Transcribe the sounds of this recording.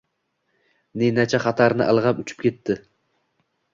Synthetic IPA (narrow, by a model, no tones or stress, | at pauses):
nenat͡ʃʰaχɑt̪ʰaɾnɪʔalˠʁɑpʊt͡ʃʰɪ̥p̚kʲʰe̞t̪ːɪ